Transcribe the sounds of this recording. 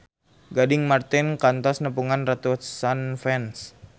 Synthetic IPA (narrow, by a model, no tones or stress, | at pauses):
ɡadɪŋmart̪ɪnkant̪ɔsnəpuŋanrat̪usanfɛns